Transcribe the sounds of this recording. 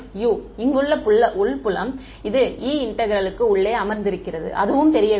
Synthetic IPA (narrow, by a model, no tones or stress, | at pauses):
juːɪŋɡɯɭːɐpʊɭːɐʔʊɭpʊlɐm | ɪðɯiːɪɳʈːɐɣɪɾɐlɯkːɯʊɭːeːɐmɐɾnd̪ɪɾɯkːɪrɐðɯ̰ʔɐ̰ðɯʋɯmt̪ɛɾɪjɐ